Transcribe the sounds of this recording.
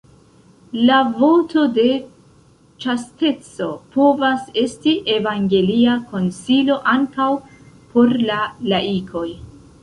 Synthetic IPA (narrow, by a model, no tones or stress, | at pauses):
lavo̞to̞de̞ | t͡ʃaste̞t͡so̞po̞vase̞stiʔe̞vaŋɡe̞liako̞nsilo̞ʔaŋkaw | po̞ɾlalaikʰo̞j